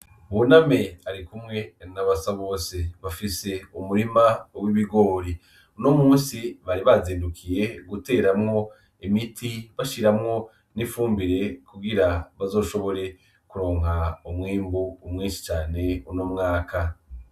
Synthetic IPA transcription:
βuname̞aɾikumŋe̞naβasaβo̞ːseβafise̞umuɾimawiβiɡo̞ːɾi | nomuːnsiβaɾiβaziːndukʰije̞ɡute̞ːɾamŋo̞ | imitʰiβaʃiɾamŋo̞ | nifuːmbiɾe̞kuɡiɾaβazo̞ːʃo̞βo̞ɾe̞ | kuɾo̞ːŋ̥haumŋiːmbuːmŋiːnʃi̥t͡ʃaːne̞unoːmŋaːkʰa

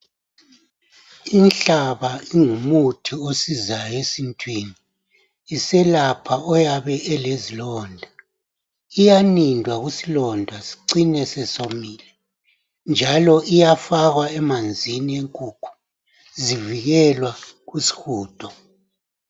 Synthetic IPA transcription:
inɬaβaiŋumutʰiosizajɔesintʰʼwiniː | sɛlapʰaɔjaβɛʔɛlezilɔːndʱa | ijanindʱwaɣusilɔndʱasi̥ǀinɛsɛsomiːlɛ | nd͡ʒʱalɔʔijafaɣwaɛmand͡zʱinieŋkʼukʰu̥ | ziviɣɛlwaɣusi̥xuːd̥ʰʱʼɔ

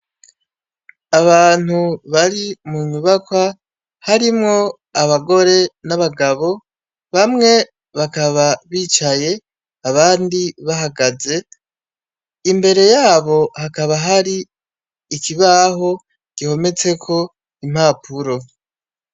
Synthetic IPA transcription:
aβaːn̥uβaɾimuɲuβakwa | haɾimŋo̞ | aβaɡo̞ɾe̞naβaɡaβo̞ | βamŋe̞ | βakaβaβiːt͡ʃaje̞ | aβaːndiβaɦaɡaze̞ | imbe̞ɾe̞jaːβo̞hakaβaɦaɾiː | kiβaːɦo̞ | ɡ̥iho̞me̞t͡se̞kʰo̞ | im̥haːpʰuɾo̞

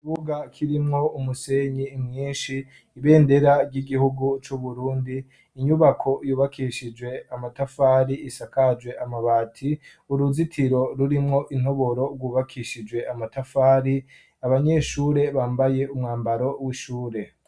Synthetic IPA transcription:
kiβuɡakʰiɾimŋo̞umuse̞ɲimŋiːnʃiː | βe̞ːnde̞ɾaɾɟiɡihuɡut͡ʃuβuɾuːndiː | ɲuβakʰo̞juːβakʰiʃid͡ʒwe̞amatafaːɾiisakad͡ʒwe̞ʔamaβaːtʰi | uɾuzitʰiɾo̞ɾuɾimŋo̞ʔin̥o̞βo̞ɾo̞ɡɡwuːβakʰiʃid͡ʒwe̞amatafaːɾi | aβaɲe̞ʃuːɾe̞βaːmbaje̞ʔumŋaːmbaɾo̞wiʃuːɾe̞

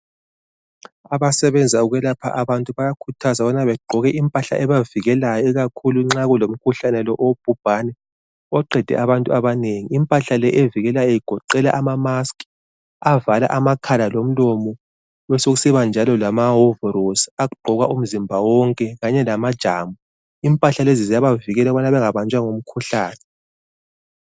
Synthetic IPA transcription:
aβasɛβɛnd͡zʱauɣɛlapʰa̰ʔaβantʼuβajakʰutʰazaβɔnaβɛɡ͡ǃʱɔɣɛʔimpʼaɬa̰ʔɛβaviɣɛlajɔiɣakʰuluŋ͡ǁaɣulom̩kʰuɬanɛlɔʔob̥ʱub̥ʱanɛ | ɔǃɛd̥ʱɛ̰ʔaβantʼuaβaneŋiːmpʼaɬalɛʔeviɣɛlajɔjiɡ̥ʱɔǃɛla̰ʔamamaskʼ | avala̰ʔamakʰalalom̩lɔmɔ | wɛsoɣusiβand͡ʒʱalɔlamaɦovɛrosaɣuɡ͡ǃʱɔɣaʔum̩zimbʱawɔŋkʼɛɣaɲɛlamad̥ʒ̥ʱaːmu | impʼaɬalezizijaβaviɣɛlaβanaβɛŋaβant͡ʃʼwaŋom̩kʰuɬaːnɛ

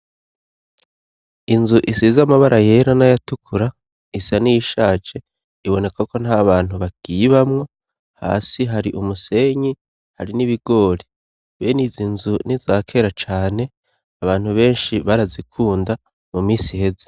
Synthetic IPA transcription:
inzuʔisizamaβaɾʔaje̞ːɾanajatukʰuɾa | isanijiʃaːt͡ʃe̞ | iβo̞ne̞kako̞n̥haβaːn̥huβaɡ̥iβamŋo̞ | ha̰ːsiɦaɾiʔumuse̞ɲi | haɾiniβiɡo̞ːɾi | βenizinzunizaːkʰe̞ːɾat͡ʃaːne̞ | aβaːn̥huβe̞ːnʃiβaɾazikʰuːnda | mumiːsihe̞ze̥

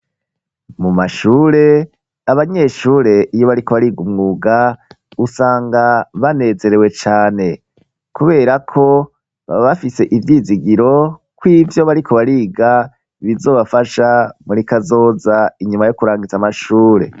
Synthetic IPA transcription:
mumaʃuːɾe̞ | aβaɲe̞ʃuːɾe̞ʔijo̞βaɾikoβaɾiːɡumŋuːɡa | usaːŋɡaβane̞ːze̞ɾe̞we̞t͡ʃaːne̞ | kuβe̞ːɾakʰo̞ | βa̰βafise̞ʔivjiːziɡiɾo̞kwiːvjo̞βaɾikʰo̞βaɾiːɡa | βizo̞ːβafaʃamuɾikazo̞ːzaiɲumajo̞kuɾaːŋɡit͡samaʃuːɾe̞̰

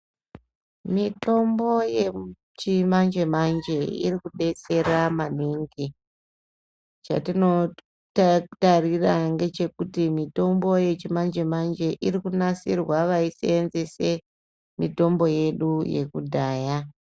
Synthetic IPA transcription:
mito̞mbo̞je | t͡ʃimand͡ʒe̞mand͡ʒe̞ḭrikuɗe̞t͡se̞ramaniŋɡi | t͡ʃa̰tino̞ | ttariraŋɡe̞t͡ʃe̞kutimito̞mbo̞je̞t͡ʃimand͡ʒe̞mand͡ʒe̞ʔirikunasirwaʋaiseːnzese̞ | mito̞mbo̞je̞ɗuje̞̰kudʱaːja

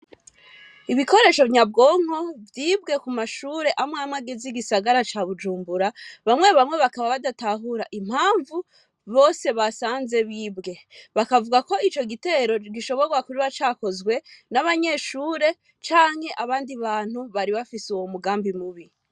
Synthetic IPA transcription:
iβiko̞ɾe̞ʃo̞vɲab̚ɡo̞ːŋ̥o̞vjiːbɡe̞kumaʃuːɾe̞ʔamŋaːmŋaɡeziɡisaɡaɾat͡ʃaβud͡ʒuːmbuɾaβamŋe̞βamŋe̞βakaβaβadataɦuɾaʔim̥haːɱvu | βo̞ːse̞βasaːnze̞βibɡe̞βakavuɡako̞it͡ʃo̞ɡite̞ːɾo̞ɡiʃo̞βo̞ɾɡwakuɾiβat͡ʃaːko̞zɡwe̞naβaɲe̞ʃuːɾe̞ | t͡ʃaːŋ̥he̞ʔaβaːndiβaːn̥huβaɾiβafisuwomuɡaːmbimuβi

